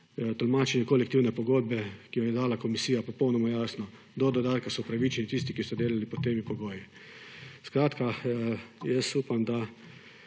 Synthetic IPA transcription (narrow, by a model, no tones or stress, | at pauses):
t̪ɔlmaːt͡ʃɛnjɛkolɛkt̪iwnɛpɔɡoːd̪̚bɛkijɔjɛd̪aːlakɔmisiːjapɔpownɔmajaːsnɔ | d̪ɔd̪ɔd̪aːt̪̚kasɔupɾaʋit͡ʃɛnit̪is̬t̪ikisɔd̪eːlalipɔt̪ːeːmipɔɡoːji | skɾaːt̪ka | jɛsuːpamd̪a